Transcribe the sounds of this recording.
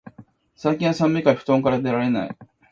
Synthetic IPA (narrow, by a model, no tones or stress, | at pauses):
saikʲĩɰ̃asãmːikaiɸɯ̟̥t̪õ̞ŋkaɾad̪e̞ɾaɾe̞na̰ḭ